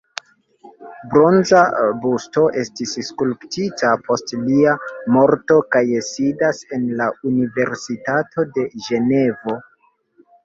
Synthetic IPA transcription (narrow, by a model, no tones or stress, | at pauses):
bɾo̞nzabusto̞ʔe̞stisskulptitapo̞stliamo̞ɾto̞kajesidase̞nlaunive̞ɾsitatʰo̞de̞ʒe̞ne̞vo̞